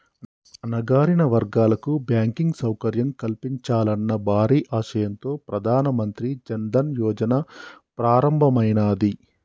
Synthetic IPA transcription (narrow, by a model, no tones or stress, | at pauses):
ɐnɐɡaːɾinɐʋɐɾɡaːlɐkubjaːŋkiŋɡsɐwkɐɾjɐmkɐlpiɲt͡ʃaːlɐnːɐbʱaːɾiːʔaːʃɐjɐnt̪o̞ːpɾɐd̪ʱaːnɐmɐnt̪ɾid͡ʒɐnd̪ɐnjɔːd͡ʒɐnɐpɾaːɾɐmbʱɐmɐjnaːd̪i